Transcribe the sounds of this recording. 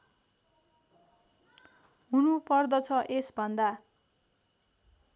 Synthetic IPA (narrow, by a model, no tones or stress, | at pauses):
ɦunupʌrd̪ʌt͡sʰʌʔesbʱʌnd̪a